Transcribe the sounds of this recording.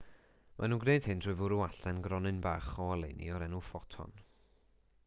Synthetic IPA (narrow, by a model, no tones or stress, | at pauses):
mʔa̰nuːɡnejd̥hɨntʰrʊːɨvʊɾʊaɬɛnɡrɔnɨnbaːχɔalˠḛnḭɔɾɛnufɔtʰɔ̰n